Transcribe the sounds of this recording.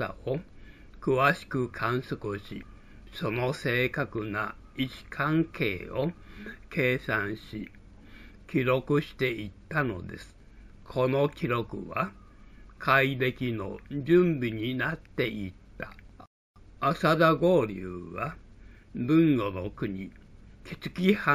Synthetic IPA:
a̰o | kɯ̟βaɕi̥kɯ̟kʰãɰ̃sokɯ̟ɕḭ | so̞no̞se̞ːkakɯ̟na̰ | it͡ɕi̥kʰãŋke̞ːo̞kʰe̞ːsãɰ̃ɕi | kʲiɾo̞kɯ̟ɕi̥t̪e̞ʔit̪ːano̞̰d̪e̞̰sɨ̥ | kʰo̞no̞kʲiɾo̞kɯ̟βa | kʰaibe̞kʲino̞d͡ʑɨ̃mbʲiɲ̟inat̪ːe̞ʔit̪ːa̰ | asad̪aɡo̞ːɾʲɯ̰ːβa | bɯ̟̃ŋɡo̞no̞kɯ̟ɲ̟ikʲʰi̥t͡sɨ̥kʲiha

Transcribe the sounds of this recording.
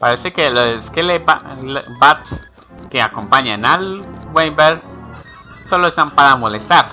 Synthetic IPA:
paɾesekeloseskelebalbat̪s | keakompaɲanalwwejbeɾ | soloest̪ampaɾamolest̪aɾ

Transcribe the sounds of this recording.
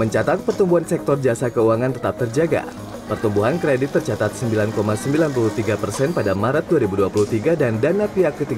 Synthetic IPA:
məɲt͡ʃat̪at̪̚pərt̪umbuɦansɛk̚t̪ɔrd͡ʒasakəuaŋant̪ət̪ap̚t̪ərd͡ʒaɡa̰ | pərt̪umbuɦankɾedɪt̪ːərt͡ʃat̪at̪̚səmbilankomasəmbilanpulut̪iɡapərsɛnpadamaɾət̪̚duaɾibuduapuluht̪iɡadandanapiɦakːət̪iɡ

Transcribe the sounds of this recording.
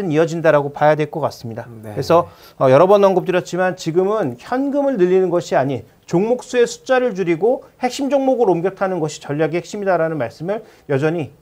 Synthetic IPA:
ɯniʌd͡ʑindaɾaɡopajadwe̞ɭk͈ʌk͈as͈ɯmɲidakɾesʰʌː | jʌɾʌbʌnːʌŋɡop̚t͈ɯɾjʌt̚t͡ɕ͈imant͡ɕiɡɯmɯnçjʌnɡɯmɯɭnɯʎːinɯnɡʌɕʰiaɲi | t͡ɕoŋmok̚s͈ue̞sʰu̥t͡ɕ͈aɾɯɭd͡ʑuɾiɡohe̞k̚ɕ͈imd͡ʑoŋmoɡɯɾomɡjʌtʰanɯnɡʌɕʰi̥t͡ɕʌʎːaɡihek̚ɕ͈imidaɾanɯnmaɭs͈ɯmɯɭ | jʌd͡ʑʌɲi

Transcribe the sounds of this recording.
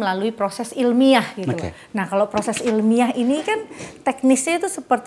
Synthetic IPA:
əlaluipɾosɛsilmiahɡ̥it̪u | nahkalopɾosɛsilmiahinikant̪ɛk̚nisɲat̪usəpərt̪

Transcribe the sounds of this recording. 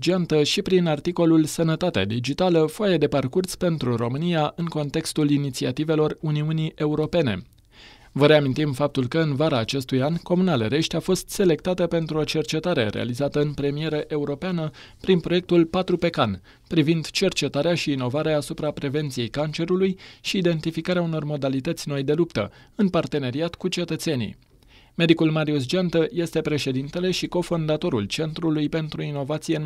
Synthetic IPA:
d͡ʒiant̪əʃipɾinart̪iko̞lulsənət̪at̪ea̰d̪id͡ʒit̪aləfoajed̪e̞parkurspe̞nt̪ɾuro̞mɨnijaʔɨŋko̞nt̪e̞kst̪ulinit̪sia̰t̪ive̞lo̞runiuniʔe̞uɾo̞pe̞ne̞̰ | vəɾe̞amint̪imfap̚t̪ulkəɨnvaɾaːt͡ʃe̞st̪ujanʲko̞munaleɾe̞ʃt̪ʲafo̞st̪se̞le̞k̚t̪at̪əpe̞nt̪ɾuo̞t͡ʃe̞rt͡ʃe̞t̪aɾe̞̰ɾḛa̰lizat̪əɨnpɾe̞mie̞ɾəʔe̞uɾo̞peanə | pɾinpɾo̞je̞k̚t̪ulpat̪ɾupe̞kan | pɾivind̪t͡ʃe̞rt͡ʃe̞t̪aɾeaʃiːno̞vaɾeeasupɾapɾe̞ve̞nt̪sije̞jkant͡ʃe̞ɾulujʃiːd̪e̞nt̪ifikaɾeauno̞rmo̞d̪alit̪ət̪sʲno̞jd̪e̞lupt̪ə̰ɨnpart̪e̞ne̞ɾiat̪kut͡ʃe̞t̪ət̪se̞nḭ | me̞d̪ikulmaɾius̬d͡ʒant̪əje̞st̪e̞pɾe̞ʃe̞d̪int̪e̞le̞ʃiko̞fo̞nd̪at̪o̞ɾult͡ʃe̞nt̪ɾulujpe̞nt̪ɾuino̞vat̪sijen

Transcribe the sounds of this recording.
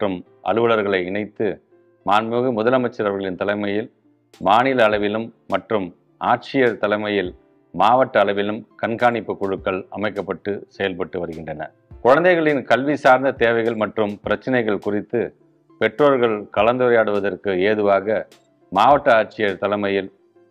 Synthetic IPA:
ɐʈrɯm | ʔɐ̰ɻɯʋɐɭɐɾɣɐɭɐɪɪɳɐɪt̪ːɯ | maːnmɯɣɯmʊðɐlɐmɐɪt͡ʃːɐɾɐɾɣɐɭɪnt̪ɐlɐɪmɐjɪl | maːnɪlɐːɭɐʋɪlɯmːɐʈrɯm | aːʈ̚t͡ʃɪjɐɾt̪ɐlɐɪmɐjɪl | maːʋɐʈːɐːɭɐʋɪlɯmkɐnɡaːɳɪpːɯkʊɻɯkːɐɭɐ̰mɐɪkːɐpːɐʈːɯsɛjɐlpɐʈːɯʋɐɾɯɣɪndrɐnɐ̰ | kʊɻɐnd̪ɐɪɣɐɭɪnkɐlʋisaːɾnd̪ɐt̪eːʋɐɪɣɐɭmɐʈrɯmpɪɾɐt͡ʃːɐnɐɪɣɐɭkʊrɪt̪ːɯ | pɛʈroːɾɣɐɭkɐɭɐnd̪ɯɾɐjaːɽɯʋɐðɐrkɯeːðɯʋaːɣɐ | maːʋɐʈːɐaːʈ̚t͡ʃɪjɐɾt̪ɐlɐɪmɐjɪl

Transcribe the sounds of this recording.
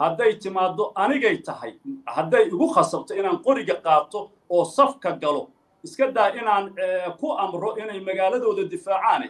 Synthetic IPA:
hɐd̪ɛjt̪ʰɪmaːd̪ɔʔɐnɪɣɛjt̪ʰɐɦɐ̰jhɐd̪ɛjʊɣʊχɑsɐbt̪ʰɔɪnaːŋqɔɾɪɣɐqɑːt̪ʰɔ | ɔːsɐfkʰɐɡɐlɔ | ɪskʰɐd̪aːjɪnaːnɛkʰʊʔɐmrɔʔɪnɛjmɐɣaːlɐðɔːðɐd̪ɪfaːʕaːnɛ

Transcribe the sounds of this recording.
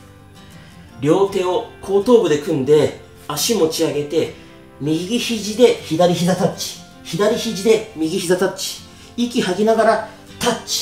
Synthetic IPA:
ɾʲo̞ːt̪e̞ːo̞kʰo̞ːt̪o̞ːbɯ̟d̪e̞kɯ̟̃nd̪e̞ | aɕimo̞t͡ɕiaɡe̞t̪e̞ | mʲiɡʲiɡʲiçiʑid̪e̞çid̪aɾʲiçizat̪at͡ɕi̥ | çid̪aɾʲiçiʑid̪e̞mʲiɡʲiçizat̪at͡ɕi̥ | ikʲihaɡʲinaɡaɾa | t̪at͡ɕi̥

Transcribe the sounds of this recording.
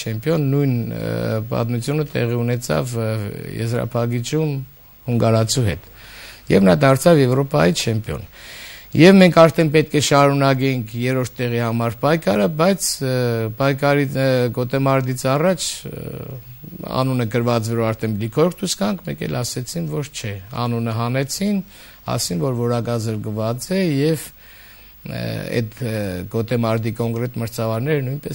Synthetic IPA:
t͡ʃʰɛmpjɔnːujnpɑ̰t̪mut͡sʰjunət̪ɛ̰ʁiunɛt͡sʰɑ̰vjɛ̰zɾɑ̰pʰɑɡit͡ʃʰum | huŋɡɑɾɑt͡sʰuɦɛt̪ | jɛ̰vnɑd̪ɑɾt͡sʰɑvjɛvɾɔpɑjit͡ʃʰɛmpjɔ̰njɛvmɛŋkʰɑɾt̪ʰɛnpɛt̪̚kʰɛʃɑɾunɑkɛŋkʰjɛɾɔɾt̪ːɛʁihɑmɑɾpɑjkʰɑɾəbɑjt͡sʰpɑjkʰɑɾiɡɔt̪ɛmɑɾd̪it͡sʰɑrɑt͡ʃʰ | ɑ̰nunəkəɾvɑt͡svɔɾuɑɾt̪ʰɛnblikʰɔɾk̚ʰt̪ʰuskɑŋkʰmɛ̰kɛ̰lɑsɛt͡sʰinvɔɾʰt͡ʃʰɛɑ̰nunəɦɑnɛt͡sʰin | ɑ̰sinvɔɾvɔɾɑkɑzəɾkvɑt͡sɛjɛv | ɛ̰t̪ɡɔt̪ɛmɑɾd̪ikɔŋkɾɛt̪məɾt͡sʰɑvɑɾnɛɾnujnpɛs

